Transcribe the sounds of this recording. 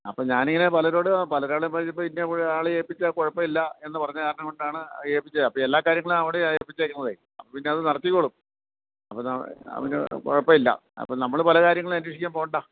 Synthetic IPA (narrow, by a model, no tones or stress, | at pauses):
ɐpːoːɲaːneŋːɐnepɐlɐɾo̞ːɽɨpɐlɐɾaːɭumpɐipːoːpinːeʋiɻaːɭɨjeːpːit͡ɕːɐkoɻɐpːɐmilːɐe̞nːɨpɐrɐɲːɐkaːɾɐnɐŋkoɳɖaːɳɨjeːpːit͡ɕːɐɐpːoːelːaːkːaːɾjɐŋːɐɭumɐʋiɽeeːpːit͡ɕːekʲːunːɐðeji | ɐpːopinːe̞ɐðɨnɐrɐt̪ːikʲːoːɭum | ɐpːoːnɐ̰ʋinɨ̰ko̰ɻɐpːɐilːɐ̰ɐ̰pːonɐmːɐɭɨpɐlɐkaːɾjɐŋːɐɭɐnuʋɐʂikʲːaːmpo̞ːɣɳɖa